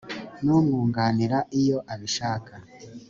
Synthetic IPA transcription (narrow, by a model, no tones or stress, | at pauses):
nuːmɡuːŋɡaniɾaʔijo̞ʔaβiʃaːka